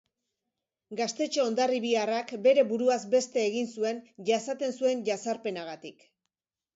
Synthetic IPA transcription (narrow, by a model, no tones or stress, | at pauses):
ɡast̪e̞t͡ʃe̞o̞nd̪ariβiarakbe̞ɾe̞βuɾuazbe̞st̪e̞ːɣinsue̞nʝasat̪e̞nsue̞nʝasaɾpe̞naɣat̪ik